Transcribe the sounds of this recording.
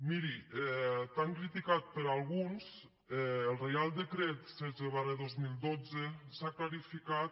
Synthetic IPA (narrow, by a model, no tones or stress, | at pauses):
miɾiɛt̪aŋkɾit̪ikat̪̚pəɾalˠɣuns | ɛəlˠrejalˠd̪əkɾet̪sɛzeβaɾeðozmilˠd̪od͡zəsaklaɾifikat̪